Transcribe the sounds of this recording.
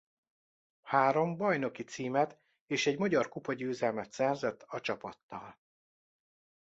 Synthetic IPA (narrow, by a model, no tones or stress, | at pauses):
haːɾo̞mbɒjno̞kit̪siːmɛt̪ | eːʃɛɟmɒɟɒrkupɒɟøːzɛlmɛt̪sɛrzɛt̪ːɒt͡ʃɒpɒt̪ːɒ̰l